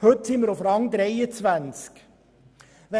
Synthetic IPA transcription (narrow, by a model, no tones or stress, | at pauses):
hɵt̪sɪməɾʊfɾɑŋd̪ɾeɪət͡svænsk | vɛ